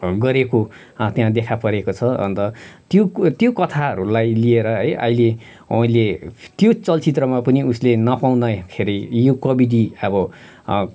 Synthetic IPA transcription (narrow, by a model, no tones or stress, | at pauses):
ɡʌɾeko | t̪jãd̪ekʰapʌɾekot͡sʰʌʌ̰nt̪ʌt̪jot̪jokʌt̪ʰaɦʌɾulajlieɾʌɦʌjʔʌ̰ɦile | aĩlet̪jot͡sʌlt͡sit̪rʌmapʌniuslenʌpaw̃nakʰeɾʌjjokʌbiɖiʌbʌ